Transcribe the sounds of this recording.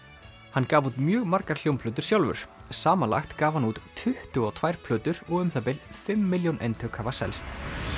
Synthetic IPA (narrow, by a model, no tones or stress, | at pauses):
hanːkaːvut̪mjœːɣmaɾkaɾ̥l̥jowmpʰlœːt̪̬ʏ̥sjawlvʏ̰ɾ̥saːmanla̰xt̪kaːvhanuːt̪ːʰʏht̪ʏɔt̪ʰvajɾ̥pʰlœːt̪ʏɾɔɣʏmθapɪlfɪmːɪljownʔḛjnt̪ʰœkhavasɛ̰lst̪